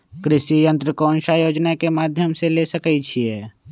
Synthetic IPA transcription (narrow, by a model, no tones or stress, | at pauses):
kɾɪʃijənt̪ɾəkonʃajoːd͡ʒnakemad̪ʱjəmselesəkɛt͡ʃʰie